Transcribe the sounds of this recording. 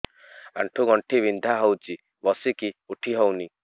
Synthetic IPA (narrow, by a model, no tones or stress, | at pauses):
a̰ɳʈʰuɡɔɳʈʰibind̪ʱaɦɔwt͡ʃi | bɔsikiuʈʰiɦɔwni